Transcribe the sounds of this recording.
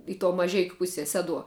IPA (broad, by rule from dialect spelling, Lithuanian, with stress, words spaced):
ɪ toː mɐˈʒʲɛɪkʲʊ ˈpʊsʲiɛ ˈsʲæːduɔ